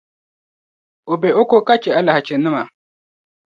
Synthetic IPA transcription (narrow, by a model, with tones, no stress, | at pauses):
o˨bɛ˨ʔo˦ko˦ka˦t͡ʃɛ˨a˨la˨ha˨t͡ʃɛ˨nɨ˦ma˨